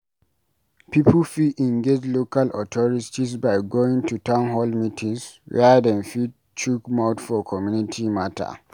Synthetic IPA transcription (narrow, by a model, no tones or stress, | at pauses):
pipl̩fitɛ̃ŋɡed͡ʒlokalɔtʰɔɹitisbaɪɡoĩŋtʰutãʊ̃nɦɔlmitʰĩŋswɛ̰dɛ̃nfi | t͡ʃukmaʊtfɔkʰɔmjunitʰimatʰa̰